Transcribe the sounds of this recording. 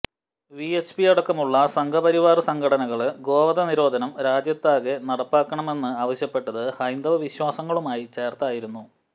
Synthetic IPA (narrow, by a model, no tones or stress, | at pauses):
ʋiet͡ɕpiɐɽɐkːɐmuɭːɐsɐŋɡʰʱɐpɐɾiʋaːrɨsɐŋɡʰʱɐɽɐnɐɣɐɭɡo̞ːʋɐðɐniɾo̞ːd̪ʱɐnɐmɾaːd͡ʑjɐt̪ːaːɣenɐɽɐpːaːkːɐɳɐme̞nːɨaːʋɐɕjɐpːe̞ʈːɐðɨhɐjnd̪ɐʋɐʋiɕwaːsɐŋːɐɭumaːjit͡ɕe̞ːrt̪aːjiɾunːu